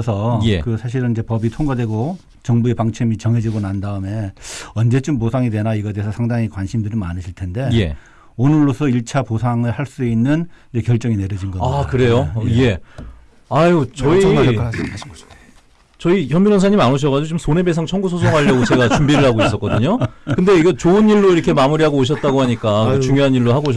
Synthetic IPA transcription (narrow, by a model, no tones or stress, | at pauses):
ʌsʰʌjekɯsʰaɕ̬ʰiɾɯnid͡ʑe̞pʌbitʰoŋɡadwe̞ɡo | t͡ɕʌŋbue̞paŋt͡ɕʰemit͡ɕʌŋɦe̞d͡ʑiɡonandaɯme̞ʌnd͡ʑe̞t͡ɕ͈omposʰaŋidwe̞naiɡʌd̪eesʰʌsʰaŋdaŋikwanɕʰimdɯɾima̰nɯɕʰiɭtʰe̞nde̞je | onɯɭːosʰʌiɭt͡ɕʰaposʰaŋɯɭhaɭs͈uinːɯnid͡ʑekjʌɭt͡ɕ͈ʌŋine̞ɾjʌd͡ʑinɡʌakɯɾe̞joje̞ | ajot͡ɕʌi | t͡ɕʌiçjʌmbiɾʌns̬ʰaɲimanoɕ̬ʌɣad͡ʑiɡot͡ɕomsʰone̞bes̬ʰaŋt͡ɕʰʌŋɡusʰos̬ʰoŋɦaʎːʌɡot͡ɕe̞ɡat͡ɕumbiɾɯɭhaɡoiss͈ʌk͈ʌdɯɲokɯnde̞iɡʌt͡ɕoɯniɭːoiɾʌkʰe̞mamuɾiɦaɡoːɕ̬ʰʌt̚t͈aɡoɦaɲik͈aet͡ɕuŋjoɦaniɭːohaɡoɕ